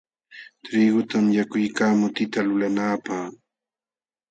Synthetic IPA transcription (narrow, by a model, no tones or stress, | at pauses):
t̪ɾiːɡʊt̪amjakʊjkaːmʊt̪ɪt̪alʊlanaːpaχ